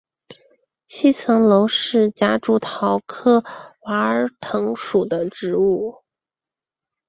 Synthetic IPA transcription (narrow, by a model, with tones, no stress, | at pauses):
t͡ɕʰi˥˩t͡sʰɤ˧˥ŋlo˧˥ʊʂɻ̩˥˩t͡ɕja˧˥ʈ͡ʂu˧˥t̪ʰɑ˧˥ʊkʰɤ˥˩wa˧˥ə˞˧˥t̪ʰɤ˧˥ŋʂu˨˩d̪ə˦ʈ͡ʂɻ̩˧˥u˥˩